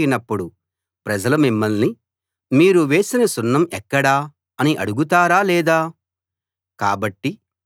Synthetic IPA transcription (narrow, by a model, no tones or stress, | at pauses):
inɐpːuɽu | pɾɐd͡ʒɐlɐmimːɐlni | miːɾuʋe̞ːsinɐsunːɐmɛkːɐɽaː | ɐniʔɐɽuɡut̪̬aːɾaːlɛːd̪aː | ka̰ːbɐʈːi